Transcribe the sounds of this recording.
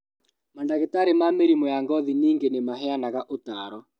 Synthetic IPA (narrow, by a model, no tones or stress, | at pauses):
mandaɣetaɾemameɾimɔjaŋɡɔðiniːŋɡenemaɦɛanaɣaʔotaːɾɔ